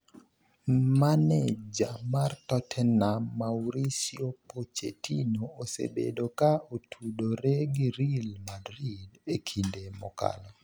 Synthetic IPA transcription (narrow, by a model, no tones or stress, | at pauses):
manɛd͡ʒamartɔtʰɛnamawɾisiopot͡ʃḛtinoːsḛbḛdokaotʰudoɾeɡiɾilmadɾidekʰindemɔ̰ka̰lɔ